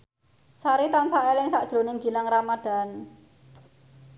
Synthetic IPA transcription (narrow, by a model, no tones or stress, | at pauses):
saɾit̪ansaʔɛlɪŋsaʔd̥ʒ̥ɾo̤nɪŋɡi̤laŋramad̪̥a̤n